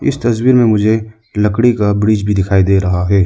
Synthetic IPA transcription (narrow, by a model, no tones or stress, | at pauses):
ɪ̰st̪ɐswiːɾmẽmʊd͡ʒʱe | lɐkɽikabɾiːd͡ʒbʱid̪ɪkʰaːid̪eɾɐɦaɦɛː